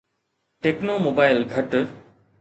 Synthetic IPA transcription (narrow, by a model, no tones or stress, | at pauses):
ʈeːknomoːbaːɪlɡʱɐʈ